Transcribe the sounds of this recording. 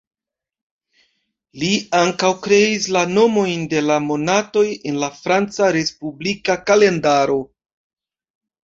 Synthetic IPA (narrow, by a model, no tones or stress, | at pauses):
liaŋkawkɾe̞islano̞mo̞jnde̞lamo̞nato̞je̞nlafɾant͡saɾe̞spublikakale̞ndaɾo̞